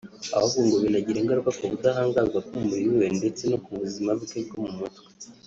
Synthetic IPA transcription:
a̰βaβuːŋɡoβinaɟiɾe̞ːŋɡaɾukakoβudaɦaːŋɡazɡakomumuɾiwiwende̞t͡se̞nokuβuzimaβukeb̚ɡomumutwe̥

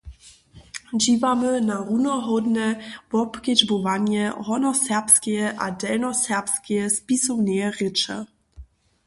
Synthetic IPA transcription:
d͡ʑiːvamɘnaʁunɔɦɔd̪nɛvɔpked͡ʑbovaɲjɛɦɔnɔsɛpskʲɛɛʔadɛlnɔsɛʁpskʲɛɛspisɔmnɛjɛʁɪt͡ʂɛ̰

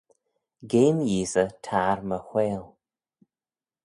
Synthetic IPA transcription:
ɡeːmjiːsətʰaɾməxweːl

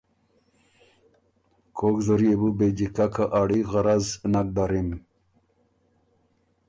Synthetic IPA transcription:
kʰoɡzoɾiebubed͡ʑikakaʔaɽiɣɑɾaznak̚d̪aɾim

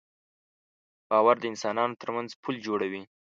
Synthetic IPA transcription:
b̥ɑwaɾd̪əɪnsɑnɑnot̪əɾmanzpʰuld͡ʒoɽawi

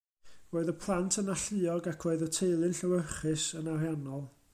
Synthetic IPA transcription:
roːɨðəpʰlˠantʰənaɬɨɔɡakʰroːɨðətʰejlˠɨnɬəwəχɨsənarjanɔlˠ

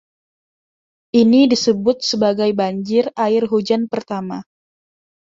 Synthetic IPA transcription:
ʔinidisəbʊt̪̚səbaɡajbaɲd͡ʒɪraɪrɦud͡ʒanpərt̪ama

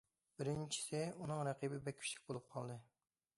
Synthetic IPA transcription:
b̥ɪɾɪnt͡ʃʰi̥sɪunɨŋɾɛqʰibɪbɛkʲʰy̥ʃlɪ̥k̚ʲbolˠup̚qʰɑlˠd̪ɨ

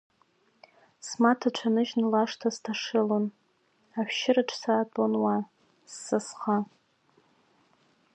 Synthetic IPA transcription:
smatʰaʈ͡ʂʷʰanɨʒnlaʂtʰaztʰaʂɨlon | aħʷᶣʃɪraʈ͡ʂʰsaːtʼonwa | sːɨsχa

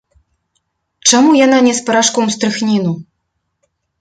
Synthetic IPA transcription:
t͡ʂamujananʲɛspɐɾaʂkɔmst̪ɾɨxnʲinu

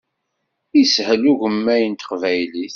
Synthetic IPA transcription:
ishəluʝəmːæjənt̪ə̥qvæjliθ

